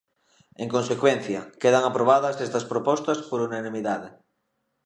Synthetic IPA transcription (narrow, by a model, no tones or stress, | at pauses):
eŋkonsekwen̟θjɐkeðɐŋapɾoβ̞aðɐsɛst̪ɐspɾopɔst̪ɐspoɾunanĩmiðaðe